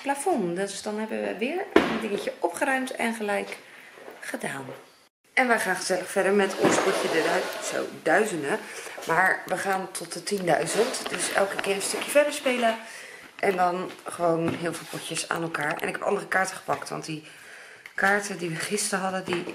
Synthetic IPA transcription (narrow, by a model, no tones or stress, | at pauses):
plafɔndəsd̥ɑnɦɛbəʋə̰ʋɪːɹəndɪŋəcəʔɔpχərœɥmtɛ̰nχəlɛjk | χədaːn | ɛnʋəχaːnχəz̥ɛləχfɛɹdəɹmɛtʰɔ̰nspɔcədso̰wdœɥzəndəmaːɹʋəχaːntʰɔt̚dətindœɥzəntdɵsɛ̰lˠkəkɪːɹəstɵkjəfɛɹdəɹspejlə | ʔɛndɔnχəʋownɦɪːlˠvɪːlˠpɔcəsa̰ːnɛlˠkaːɹɛ̰nɪkɛpɑ̰ndərəkaːɹtəχə̥pɑktʋɑ̰ntdi | kaːɹtədiʋəχɪstəɦɑdədi